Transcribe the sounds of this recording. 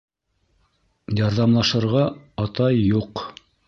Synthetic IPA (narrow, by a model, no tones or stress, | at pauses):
jɑɾðɑmlˠɑʃɤ̆ɾʁɑɑt̪ɑjːuq